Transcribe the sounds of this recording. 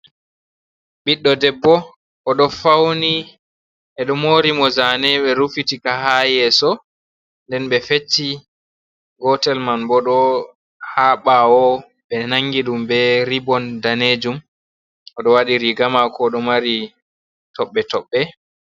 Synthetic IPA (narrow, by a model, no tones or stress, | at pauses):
ɓiɗːɔdɛbːɔ | ʔɔɗɔfawni | ʔɛɗɔmoːɾimɔzanɛɓɛɾufitikahajɛsɔ | ndɛnɓɛfet͡ʃːi | ɡɔtɛlmanbɔɗɔ | haːɓaɔ | ɓɛnaŋɡiɗumbɛɾibɔndaned͡ʒum | ɔɗɔwaɗiɾiɡamakɔɗɔmaɾi | tɔɓːɛtɔɓːɛ